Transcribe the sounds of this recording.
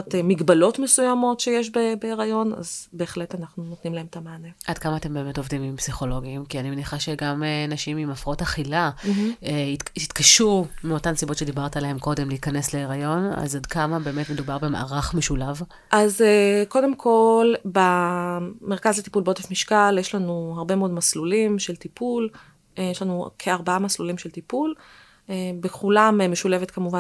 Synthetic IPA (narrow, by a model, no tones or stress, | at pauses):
temiɡbalo̞tme̞sujamo̞tʃejeʃ̬bebeeʁajo̞na̰zbe̞ːχletanaχnunotnimlahe̞metamaːneʔadkamaːte̞mbe̞ːme̞to̞vdimimpsiχo̞lo̞ɡiimkianimeniχaʃe̞ɡamenaʃimimafʁaotaχilaeitit̪kaʃumeo̞tamsibo̞tʃe̞dibaʁtalahe̞mko̞demleikanesleeʁajo̞na̰zod̪kamabe̞emetmedubaʁbe̞ma̰ʔaʁaχmeʃulav | ʔazeko̞de̞mkʰo̞lba | me̞ʁkazlet̪i̥pulbeot̪efmiʃkaljeʃlanuhaʁbe̞meo̞dmaslulimʃelt̪ipul | jeʃlanukʰeaʁbaamaslulimʃelt̪ipul | ebeχulamemeʃule̞vetkamuvan